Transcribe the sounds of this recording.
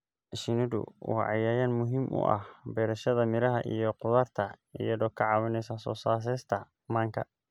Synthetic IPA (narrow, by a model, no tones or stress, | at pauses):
ʃɪnɪdʊ̰wɑ̰ːʕɑ̰jaːjaːnmʊɦiːmʔʊ̰ʔɐ̰hbɛːɾɐʃɐðɐmɪɾɐɦɐʔijɔqʊðɐrt̪ʰɐ | ijɐðɔːkʰɐʕɑːβɐnɛjsɐsɔ̰ːsaːs̬ɛːst̪ʰɐ | maːŋkʰɐ̰